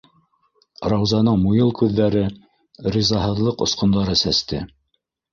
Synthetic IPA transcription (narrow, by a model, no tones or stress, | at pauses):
ɾɑwzɑnɤɴmujɤlˠkʉðːæɾɘ | ɾizɑɦɤ̆ðlˠɤqŏ̰sqŏnd̪ɑɾɤsæst̪ɘ̰